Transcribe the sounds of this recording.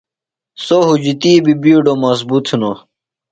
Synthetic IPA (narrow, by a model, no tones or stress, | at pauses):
soɦud͡ʑit̪iːbibiuɖomɐzbut̪ʰuno